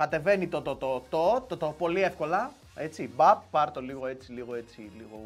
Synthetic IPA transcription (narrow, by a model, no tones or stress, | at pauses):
kɐt̪e̞ve̞nit̪ot̪ot̪ot̪ot̪ot̪opo̞lie̞fko̞lɐ | e̞t͡sibɐpːɐɾt̪o̞liɣo̞e̞t͡siliɣo̞e̞t͡siliɣo̞